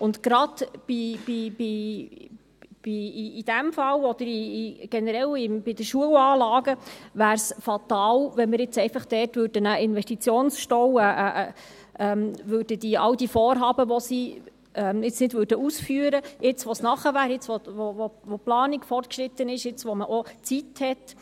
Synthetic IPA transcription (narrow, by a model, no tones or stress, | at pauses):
ʊntɡ̥ɾɑd̪b̥ib̥ibi | b̥iːd̥æmfɑlɔd̥̪əɾiɡ̥ɛnəɾɛlɪmbid̪əʃuəwɑːlɑːɡəvæːɾsfɑt̪ɑːlʋɛnmɪɾɪt͡sɛɪfɑχd̥ɛːtvʏːɾdənəʔɪnvɛʃtit͡sjoːnsʃtɔwəʔʔ | ʔɛmvʉːɾd̥əd̥̪iʔɑ̰wd̥ifoːrɦɑːbəʋɔsi | ʔɛmɪt͡snɪdvøːɾdəusfyːəɾəjʔɪt͡sʋɔsnɑχəvæːɾɪt͡sʋoʋovoʋoplɑːnɪkfɔrt̚kʃɾɪt̪ːənɪʃjɪt͡sʋɔməʔot͡sithɛt